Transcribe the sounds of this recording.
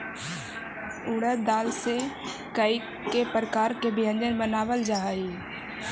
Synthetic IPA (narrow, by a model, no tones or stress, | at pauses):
ʊɽəd̪aːlse | kəi | kepɾəkaːɾkebɪjə̃nd͡ʒənbənaːʋəld͡ʒaːɦai